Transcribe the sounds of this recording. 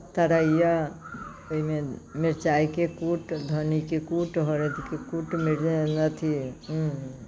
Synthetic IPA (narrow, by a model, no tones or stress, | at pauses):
t̪aɾaija | oimemeɾt͡ʃaikekuʈd̪ʱənikekuʈɦɔɾet̪ʰikekuʈmeɾenət̪ʰĩ